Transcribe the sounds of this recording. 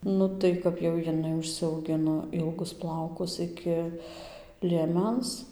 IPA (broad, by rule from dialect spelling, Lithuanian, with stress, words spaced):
ˈnʊ tɐɪ kɐp jɛʊ jɪˈnɐɪ ʊʃʲsʲɛʊˈɡʲɪnoː ˈɪlˠɡʊs ˈplˠɐʊkʊs ˈɪkʲɪ lʲiɛˈmʲɛns